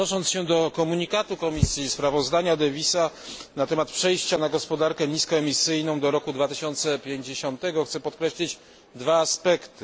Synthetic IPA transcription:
ɔʂɔnsɕɛd̪ɔkɔmuɲikat̪ukɔmʲisʲjispɾavɔzd̪aɲad̪ɛvʲisanat̪ɛmat̪pʂɛjɕt͡ɕanaɡɔspɔd̪aɾkɛɲiskɔɛmʲisɘjnɔ̃w̃d̪ɔɾɔkud̪vat̪ɘɕɔnt̪sɛpʲjeɲd͡ʑeɕɔnt̪ɛɡɔxt̪sɛpɔt̪kɾɛɕlʲid͡ʑ | d̪vaːspɛkt̪ɘ

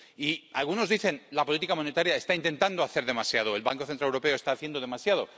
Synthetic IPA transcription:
ialɣuno̞zðiθe̞nlapo̞lit̪ikamo̞ne̞t̪aɾjae̞st̪aint̪e̞nt̪and̪o̞aθe̞ɾðe̞masjað̞o̞e̞lβaŋko̞θent̪ɾaewɾo̞pe̞oest̪aːθje̞nd̪oðe̞masjað̞o̞

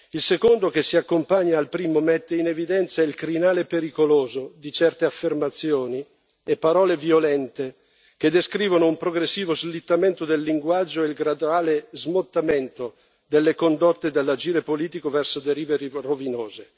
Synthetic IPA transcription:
ilsekond̪okesːiakːompaɲːaːlpɾiːmomɛt̪ːeinevid̪ɛnt̪sailkɾinaːlepeɾikoloːzod̪it͡ʃɛrt̪eafːermat̪sːjoːni | epːaɾɔːleviolɛnt̪e | k̟ed̪ːeskɾiːvonoumpɾoɡɾesːiːvozlit̪ːament̪od̪elːiŋɡwad͡ʒːoeilɡɾad̪uaːlezmot̪ːament̪o | d̪elːekond̪ot̪ːed̪elːad͡ʒiːɾepoliːt̪ikovɛrsod̪eɾiːveɾirovinoːze

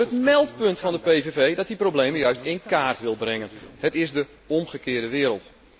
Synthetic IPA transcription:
ətmɛlˠtpɵntfɑndəpejvevejdɔt̚diprowblejməjœɥstɪnkaːrtʋɪlˠbrɪŋənhətɪsdə | ɔmχəkɪːədəʋɪːɾəlˠt

